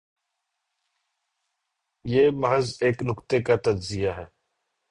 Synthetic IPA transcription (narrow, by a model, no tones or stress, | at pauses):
jeːməɦəzeːknʊkt̪ekat̪ɐd͡ʒzɪjaɦɛː